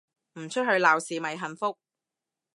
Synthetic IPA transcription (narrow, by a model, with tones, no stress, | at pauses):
m̩˨˩t͡ʃʰɵ˥t̚hɵ˧ɥlaː˨wsiː˨mɐ˨˩jɦɐ˨nfʊ˥k̚